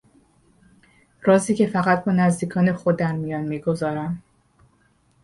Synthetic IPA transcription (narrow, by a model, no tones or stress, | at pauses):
ɾɒːziːcʰe̞fæɣæt̪̚ʰbɒːnæzd̪iːkʰɒːnexod̪ːænmijɒːnmiːɡo̞zɒːɾæm